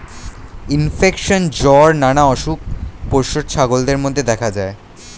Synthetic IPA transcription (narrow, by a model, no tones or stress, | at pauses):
infekʃond͡ʑɔɾnanaɔʃup̚ːoɾʃodt͡ɕʰaɡold̪eɾmod̪ʱːed̪ɛkʰad͡ʑae